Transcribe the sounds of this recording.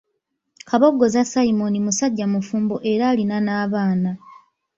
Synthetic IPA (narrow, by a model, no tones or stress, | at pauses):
kaβo̞ɡːo̞zasaimo̞nimusaɟːamufuːmboʔe̞ɾaːlinanaːβaːna